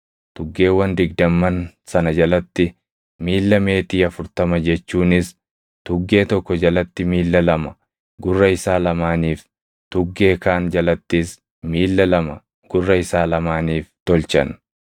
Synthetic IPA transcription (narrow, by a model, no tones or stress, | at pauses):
t̪ʊɡːe̞ːwːɐnd̪ɪɡ̚d̪ɐmːɐn | sɐnɐd͡ʒɐlɐt̪ːɪ | miːlːɐme̞ːt̪iːɐfʊɾt̪ɐmɐd͡ʒɛt͡ʃːuːnɪs | t̪ʊɡːe̞ːt̪ɔkːɔd͡ʒɐlɐt̪ːɪmiːlːɐlɐmɐ | ɡʊrːɐɪsaːlɐmaːniːf | t̪ʊɡːe̞ːkaːnd͡ʒɐlɐt̪ːɪs | miːlːɐlɐmɐ | ɡ̥ʊrːɐɪsaːlɐmaːniːft̪ɔlt͡ʃɐ̰n